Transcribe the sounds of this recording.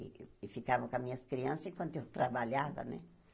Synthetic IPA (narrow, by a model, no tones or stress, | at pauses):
fikavɐ̃kw̃amĩɲɐskɾiɐ̃sɐzẽkwɐ̃nt̪ʊewt̪ɾabaʎavɐ̰nɛ̰